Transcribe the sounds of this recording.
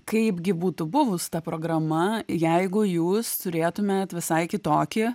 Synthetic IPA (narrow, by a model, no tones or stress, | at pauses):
kɐɪpɡʲɪbuːt̪ʊbʊʋʊst̪ɐpɾoːɡɾɐmɐjɛɪɡʊjuːst̪ʊɾʲeːt̪ʊmʲeːt̪ʋʲɪsɐɪkʲɪt̪oːkʲɪ